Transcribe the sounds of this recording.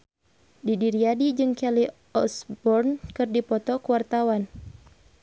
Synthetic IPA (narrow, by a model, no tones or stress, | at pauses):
didiɾiadid͡ʒɨŋkɛli | ɔsbɔrnkɨrdipɔt̪ɔkuwart̪awan